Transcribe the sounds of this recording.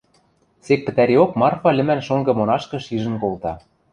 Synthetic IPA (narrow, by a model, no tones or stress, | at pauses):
sek̚pɘ̆t̪æɾeokmɑrfɑlʲɘ̆mænʃoŋɡɤ̆monɑʃkɤ̆ʃiʒə̆nkolt̪ɑ